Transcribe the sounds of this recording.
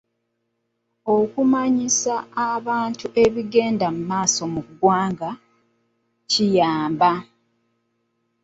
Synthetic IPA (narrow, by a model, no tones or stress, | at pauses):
o̞kumaɲisaːβaːntuʔe̞βiɡe̞ːndamumaːso̞muɡwaːŋɡa | cijaːmba